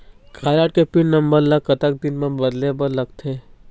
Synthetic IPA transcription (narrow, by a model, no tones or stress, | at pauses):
kʰaːɾaːʈ̚kepiɳnɐmbəɾlɐɡ̚kːɐt̪ək̚d̪ɪnmẽbɐd̪lebəɾlɐɡt̪ʰe